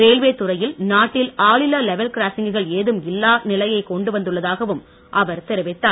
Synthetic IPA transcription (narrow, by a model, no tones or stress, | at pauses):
ɾeːlʋeːt̪ʊrɐjɪlnaːʈːɪlaːɭɪlaːlɛʋɛlkɪɾaːsɪŋɡɯɣɐɭeːðɯmɪlːaːnɪlɐjɐɪkɔɳɖɯʋɐnd̪ɯɭːɐðaːɣɐʋɯm | ʔɐʋɐɾt̪ɛɾɯʋɪt̪ːaː